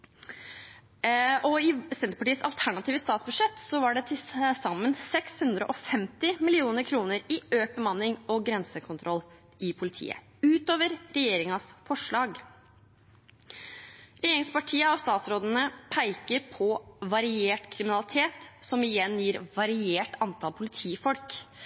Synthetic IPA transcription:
ɔɪsɛnt̪əpɑʈiːəsɑ̰lt̪ʰæɳɑt̪iːʋəst̪ɑːt̪sbʉd̪ʂɛt̪ːsɔʋɑɖɛt̪ʰɪsɑmːənsɛkshʉnd̪ɾə̰ʔɔfɛmt̪ɪmɪlɪuːnəɾkʰɾuːnəɾɪøːbəmɑnɪŋɔɡɾɛnsəkʰʊnt̪ʰɾɔlː | ʔɪpʰʊlɪt̪ʰḭːə̰ | ʉːt̪oːʋəɾɾɛjeːɾɪŋɑsfɔʂɭɑːɡ | ɾɛjeːɾɪŋspɑʈʰiːəɔst̪ɑːt̪sɾoːd̪ənəpʰæɪkəɾpʰɔʋɑɾɪeːʈkʰɾɪmɪnɑlɪt̪ʰeːt̪sɔmɪjɛnːjiːɾʋɑɾɪeːʈɑnt̪ʰɑlpʰʊlɪt̪ʰiːfɔlk

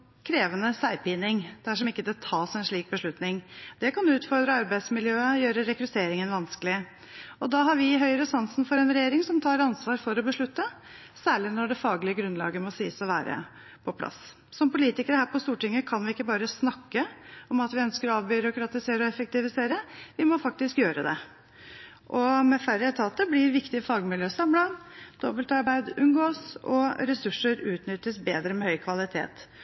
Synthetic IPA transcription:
kʰɾeːʋənəsæɪpɪnɪŋd̪̥æʂɔmɪkːəd̪ɛt̪ʰɑːsɛnʂɭiːk̚bəʂɭʉt̪nɪŋd̪̥ɛkɑnd̪ʉʉːt̪fɔɾd̪ɾəɑɾbæɪd̪smɪljøːəjøːɾəɾɛkɾʉt̪ʰeːɾɪŋənʋɑnskəlɪ | ɔd̪ɑɦɑɾʋɪɦœʏɾəsɑnsn̩fɔɾɛnɾɛjeːɾɪŋsɔmt̪ʰɑːɾɑnsʋɑːɾfɔɾɔbəʂɭʉt̪ːə | sæːɭɪnɔɖɛfɑːɡlɪəɡɾʉnlɑ̰ːɡəmɔsiːsɔʋæ̰ːɾə̰ | pʰɔpʰlɑ̰s | sɔmpʊliːt̪ɪkəɾəhæːɾpɔst̪uːʈɪŋːəkʰɑnʋɪɪkːəbɑːɾəsnɑkːəɔmɑt̪ʋɪœnskəɾɔɑːʋbʏːɾʊkɾɑt̪ɪseːɾəɔɛfək̚t̪ɪʋɪseːɾəʋɪmɔfɑk̚t̪ɪskjøːɾəd̪ɛ̰ | ʔɔmɛfæɾət̪ʰɑːt̪ːəblɪɾʋɪkt̪ɪəfɑːɡmɪljøːsɑmləd̪̥ɔbəlt̪ɑɾbæɪd̪ʉnɡoːsɔ̰ɾɛsʉʂːəɾʉːt̪nʏt̪ːəsbeːd̪ɾəmɛhœʏkʰʋɑlɪt̪ʰḛːt̪

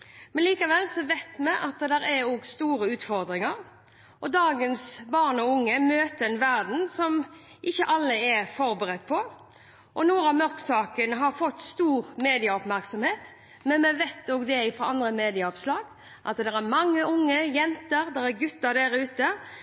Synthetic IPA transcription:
mɛnliːkɑʋɛlːsɔʋæɪt̪mɛʔɑt̪d̪ɛɾɛoːɡst̪uːɾəʉːt̪fɔɾd̪ɾɪŋɑɾ | ʔɔd̪ɑːɡənsbɑʁnɔʊŋːəmøːt̪əɛnʋæɾd̪n̩sɔmʔɪçːəʔɑlːəɛfɔɾbəɾɛt̪ːpʰɔ | ʔɔnuːɾɑmœɾksɑːkənəɦɑɾfɔt̪ːst̪uːɾmeːd̪ɪɑɔpmæɾksɔmheːt̪ | mɛnmɛʋɛt̪oːɡd̪ɛɪfɾoːɑnd̪ɾəmeːd̪ɪɑɔʋslɑːɡ | ʔɑ̰t̪d̪ɛɾæɾmɑŋːəʔʊŋːəjɛnt̪əɾd̪ɛɾæɾɡʉt̪ːəd̪ɛɾəʉːt̪ə

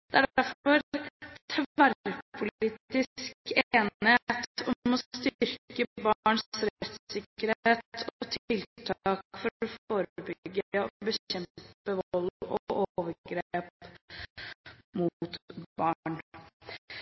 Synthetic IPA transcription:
d̪ɛæɖæɾfɔɾt̪ʰæɾpʰʊliːt̪ɪskeːnheːt̪ɔmɔst̪ʏɾkəbɑɳsɾɛt̪sɪkːəɾheːt̪ʰɔt̪ʰɪlt̪ʰɑːkfɔɾɔfoːɾəbʏɡəɔbəçɛmpəʋɔlɔʔoːʋəɾɡɾeːp | mut̪b̥ɑːɳ

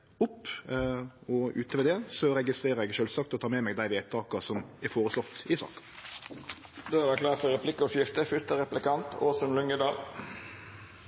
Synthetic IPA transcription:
ʊpː | ɔʔʉːt̪əʋɛd̪ɛːsɔɾɛɡɪst̪ɾeːɾəɾɛɡʃøːlsɑːkt̪ɔt̪ʰɑːmɛːmɛɡd̪æɪʋeːt̪ʰɑːkɑsɔmɛɾfoːɾəslɔt̪ːɪsɑ̰ːkə̥ | d̪oːæɾæklɑːɾfɔɾɛpʰlɪkːəɔʂjɪft̪əfʏɾt̪əɾɛplɪkɑnt̪ʰoːsʉnlʉŋəd̪ɑːl

